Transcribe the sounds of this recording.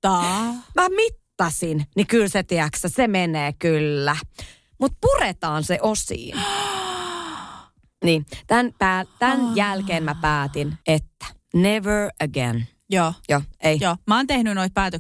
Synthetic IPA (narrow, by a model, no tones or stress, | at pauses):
t̪ɑmæmit̪ːɑsinnikylset̪iæksæsemeneːkylːæ | mut̪̚puret̪ɑːnseʔosḭːn | niːt̪ænpæːt̪ænjælkeːnmæpæːt̪inet̪ːæ̥ | neʋə˞əɡḛn | joːjoːejjoːmɑːnt̪ehnynoit̪̚pæːt̪ø